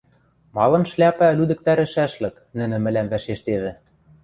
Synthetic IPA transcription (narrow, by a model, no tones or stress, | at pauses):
mɑlɤ̆nʃlʲæpælyd̪ɘ̆k̚t̪æɾɘ̆ʃæʃlɘ̆k | nɘ̆nɘ̆mɘ̆læmvæʃeʃt̪eβɘ̆